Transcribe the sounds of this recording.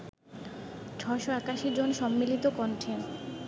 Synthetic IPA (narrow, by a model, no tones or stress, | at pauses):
t͡ɕʰɔeʃoɛkaʃid͡ʑonʃɔmːilit̪okɔɳʈʰen